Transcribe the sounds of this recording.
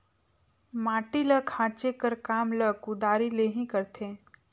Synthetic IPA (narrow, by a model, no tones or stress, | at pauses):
mãːʈiləkʰãːt͡ʃekəɾkaːmləkʊd̪aːɾileːɦĩkəɾt̪ʰeː